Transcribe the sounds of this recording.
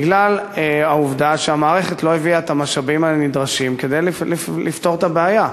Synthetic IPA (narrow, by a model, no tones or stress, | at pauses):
ɡlaleauvd̪aʃeamaːʁeχet̪lo̞eviaet̪amaʃabimalnid̪ʁaʃimke̞d̪ejllilift̪o̞ʁt̪abeaja